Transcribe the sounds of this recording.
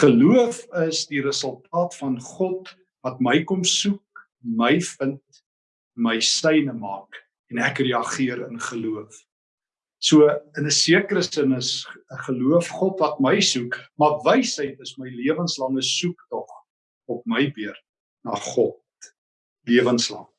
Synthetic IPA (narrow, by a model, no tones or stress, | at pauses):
χəluəfəsdiɾəsəlˠtʰɑːtfɐnχɔt | vɐtməjkɔmsuk̚ | məjfənt | məjsəjnəmɑːk | ɛnækriɐχiəɾənχəluəf | suəənəsiəkəɾəsənəsəχəluəfχɔtvɐt̚məjsukmɐrvəjsɦəjtəsməjliəvənslɐŋəsuktɔχ | ɔp̚məjbiər | nɑ̰ːχɔt̚ | liəvənslɐ̰ŋ